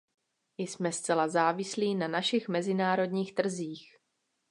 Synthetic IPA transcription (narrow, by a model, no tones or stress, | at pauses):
ɪsmɛst͡sɛlazaːvɪsliːnanaʃɪxmɛzɪnaːɾo̞dɲiːxt̪r̩ziːx